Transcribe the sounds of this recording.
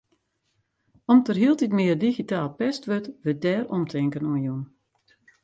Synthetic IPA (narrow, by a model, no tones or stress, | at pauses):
ɔmtərɦiəlˠtitmɪːərdiɣitaːlˠpɛstʋøtʋədɛːrɔmtʰɪŋkənuənjun